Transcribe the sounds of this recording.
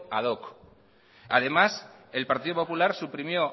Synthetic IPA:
aðok | að̞e̞mase̞lpaɾt̪iðopopulaɾsupɾimjo̞

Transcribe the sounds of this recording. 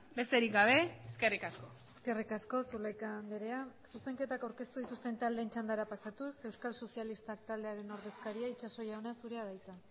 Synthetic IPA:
be̞st̪eɾikɡaβ̞e̞eske̞rikasko̞ | eske̞rikasko̞sulajkambeɾe̞asuse̞ŋke̞t̪akawɾke̞st̪uð̞it̪ust̪e̞nt̪ald̪e̞ːnt͡ʃand̪aɾapasat̪use̞wskalso̞sijalist̪ak̚t̪ald̪eaɾe̞no̞ɾðe̞skaɾiait͡ʃaso̞jaonasuɾe̞að̞ajt͡s̪a

